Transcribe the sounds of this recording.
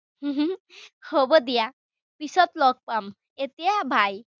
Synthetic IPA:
ɦɦhobəd̪ija | pisɔt̪lɔk̚pam | et̪ijabʱaj

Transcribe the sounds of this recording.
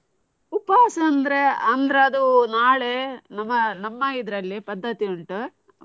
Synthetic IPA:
upaːsɐːnd̪ɐɾe̞ɐnd̪ɐɾeɐd̪unaːɭenɐmːɐnɐmːɐid̪ɐɾɐlːipɐd̪ʱːɐt̪iuɳʈu

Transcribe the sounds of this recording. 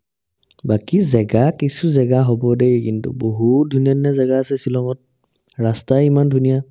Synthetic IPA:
bakizɛɡakisuzɛɡaɦobɔdejkintṵboɦutdʱuniɔnazɛɡaːsɛsilɔŋɔt̚ | ɹastaimandʱunija

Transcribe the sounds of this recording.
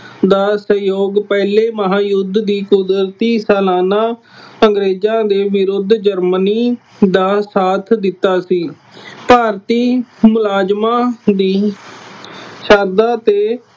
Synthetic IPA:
d̪aːsəjoːɡpɛːleːməɦaːjʊd̪d̪iːkʊd̪ɾt̪iːsɛːlaːnaː | əŋɡɾeːzãːd̪eːʋɪɾʊd̪d͡ʒəɾməniː | d̪aːsaːt̪ʰd̪ɪt̪ːaːsiː | paːɾt̪iːmʊlaːd͡ʒmãːd̪iː | ʃəɾd̪aːt̪eː

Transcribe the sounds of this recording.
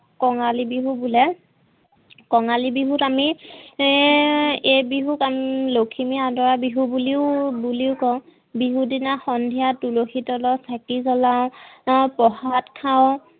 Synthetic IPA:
kɔŋalibiɦubulɛ | kɔŋalibiɦutami | ejbiɦukamlokʰimiadɔɹabiɦubuliʊbuliʊkɔw | biɦudinaxɔndʱijatuloxitɔlɔsakizɔlaʊ̃pɔɦatkʰaʊ̃

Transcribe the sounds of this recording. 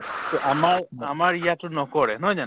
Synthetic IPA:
t̪ɔʔamaɹamaɹijatʊnɔkɔɹɛɦɔjd͡ʒanɛ

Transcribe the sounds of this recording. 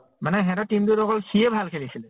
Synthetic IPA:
manɛɦɛ̃ɾatimduɾɔkɔlsiebʱalkʰelisil

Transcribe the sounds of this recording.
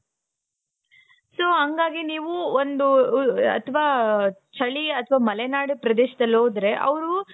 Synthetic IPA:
soːɦɐŋɡaːɡiniːʋuond̪uɐ̰t̪ʰʋaːt͡ʃʰɐɭiɐt̪ʰɐʋaːmɐlenaːɽupɾɐd̪eːʃɐd̪ɐlːɦoːd̪ɾe̞ʔɐ̰ʋɐɾu

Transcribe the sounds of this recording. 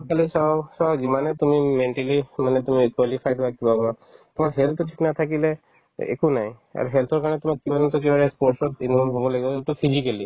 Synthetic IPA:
kalisasawzimanɛt̪umimenʈalimanɛt̪umikwalipʰajdbakibabɔ | t̪ʊmakɦɛlt̪ɔʈʰi̥knat̪ʰakilɛ | ḛkunaj | a̰ɹuɦelt̪ʰɔɹkaɹɔnɛtʊmak̚kibanɔnt̪ɔk̬ebaɹɛspɔɹsɔt̪inimɔmbʱɔbɔlaɡibɔetupʰizikali

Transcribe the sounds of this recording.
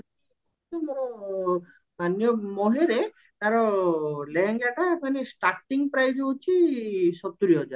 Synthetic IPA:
t̪emoɾɔ | manjɔmoɦeɾe | t̪aɾɔleɦeŋɡɛʈaepanesʈaɾʈiŋpɾajd͡ʒɔut͡ʃʰisɔt̪ːuɾiɔd͡ʒa

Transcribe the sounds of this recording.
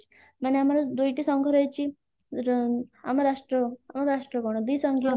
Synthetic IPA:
maneamalad̪ojʈisɔŋkʰəɾajt͡ɕiː | a̰maɾaʂʈɾəamaɾaʂʈɾəkɔɳəd̪isəŋkʰjo

